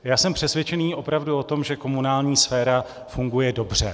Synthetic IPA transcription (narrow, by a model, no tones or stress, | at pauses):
jaːsɛmpr̝̥ɛsvjɛt͡ʃɛniːʔo̞pɾavduo̞t̪o̞mʒɛko̞munaːlɲiːsfɛːɾa | fuŋɡujɛdo̞br̝̥ɛ̰